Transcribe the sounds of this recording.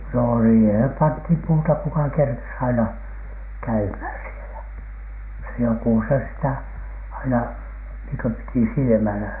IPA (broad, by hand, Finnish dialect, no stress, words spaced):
no siːhem pɑnthiˑm puːtɑ kukɑ kerkes ɑinɑ kæymhæˑn sielæ se joku se sitæ ɑinɑ niːŋ kø piti silĭmælæ